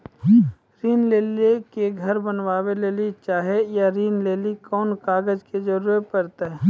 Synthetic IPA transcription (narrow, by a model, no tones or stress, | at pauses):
ɾiːnleːlekeɡʱɐɾbənʋaːweleːlit͡ʃaːɦejaɾiːnleːlikɔːnkaːɡəd͡ʒked͡ʒɐɾuːepɐɾt̪aɦɛː